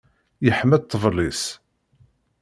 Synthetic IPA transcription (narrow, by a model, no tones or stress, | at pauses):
jəħmæt̪ˤːəvlˤis